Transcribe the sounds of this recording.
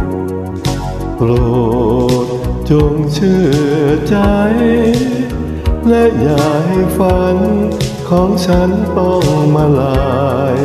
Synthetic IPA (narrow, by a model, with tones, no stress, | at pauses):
pɾoː˨˩t̪̚t͡ɕo˧˩ŋt͡ɕʰɯ˧˩ət͡ɕa˧j | lɛ˦˥ʔjaː˨˩k̚ɦa˥˩jfa˧˦nkʰɔː˨˩˦ŋt͡ɕʰa˦˥nt̪ɔ˥˧˩ŋmaː˧laː˧˩j